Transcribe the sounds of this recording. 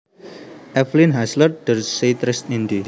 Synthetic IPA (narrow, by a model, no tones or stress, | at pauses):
ʔɛflinɦasləd̪̥ərset̪ɾɪst̪ind̪i